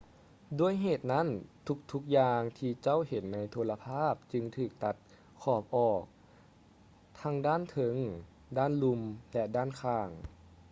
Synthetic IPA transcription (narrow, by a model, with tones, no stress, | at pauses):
du˧˥˩əjɦeː˨˩t̪̚na˦˥˨nt̪ʰu˧˦˥k̚t̪ʰu˦˥k̚jaː˧ŋt̪ʰiː˧t͡ɕa˥˩˨whe˨˦nːa˧˥jt̪ʰo˧˥la˧pʰaː˥˩p̚t͡ɕɯ˧ŋt̪ʰɯː˨˩k̚t̪a˧˦t̪̚ | kʰɔː˧˩p̚ʔɔː˨˩k̚ | t̪ʰa˧˥ŋdaː˥˨nt̪ʰɤ˧˩ŋ | daː˥˩˨nlu˧mlɛ˧daː˥˨nkʰaː˧˩ŋ